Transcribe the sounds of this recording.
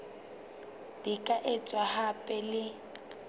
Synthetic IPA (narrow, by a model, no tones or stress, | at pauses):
d̥ikʼaʔet͡sʼwahapʼɛlɪ